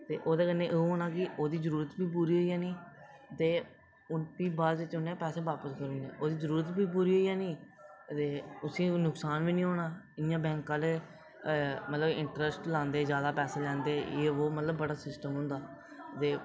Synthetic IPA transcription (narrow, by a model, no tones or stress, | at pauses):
t̪eːʔoːd̪eːkənːẽːʔeũɦoːnaːkɪʔoːd̪iːzəɾuːɾət̪biːpuːɾiːɦoːijãːnĩː | t̪eː | ʊnpiːbaːld͡ʒɪt͡ʃʊnãːpɛːsẽːʋaːpəskəɾũːnḛːʔoːd̪iːzəɾuːɾət̪biːp̬uːɾiːɦoːiːjãːnĩː | t̪eːʊsĩːnʊksaːnʋiːnĩːɦoːɽaː | ɪnjãːbɛ̃ːŋkãːleː | mət̪ləbɪ̃ɳʈɾəsʈlãːnd̪eːzjaːd̪aːpɛːseːlɛ̃ːnd̪eːjeːoːmət̪ləbːəɽaːsɪsʈəmɦʊ̃nd̪aː | t̪eː